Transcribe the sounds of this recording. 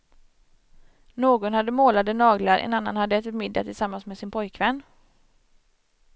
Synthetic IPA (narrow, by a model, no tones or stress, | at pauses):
noːɡɔnhad̪ːəmoːlad̪ənɑːɡlaɾʔɛ̰nanːa̰nhad̪ːəɛt̪ːmɪd̪ːa̰t̪ʰɪlsamːansmeːsɪnpʰɔjkvɛnː